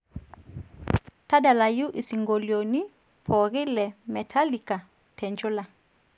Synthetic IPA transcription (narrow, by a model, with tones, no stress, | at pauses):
ta˦da˨la˨ju˦ʔi˨si˨ŋɡo˨ljo˨ni˦ | pʰɔ˨ɣɪ˦lɛ˨mɛ˨tʰa˦li˨ka˨ | tʰɛ˨ɲd͡ʒʊ˦la˨